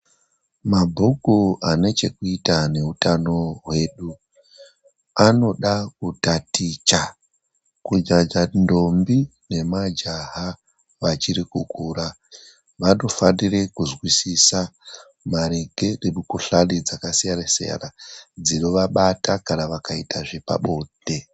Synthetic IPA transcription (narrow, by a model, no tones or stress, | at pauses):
mabʱukuane̞t͡ʃe̞kuitane̞utano̞ɦwe̞ːɗu | ano̞ɗak̚utatit͡ʃa | kud͡ʒad͡ʒando̞mbi | ne̞mad͡ʒaɦa | ʋat͡ʃiɾikukuːɾa | ʋano̞fanire̞kuzwisisa | maɾeɡʱereɓukuɬalid͡zakasijaɾesḛa̰rad͡zino̞ʋaɓatakanaʋakaitaʐepa̰ɓo̞ːde̞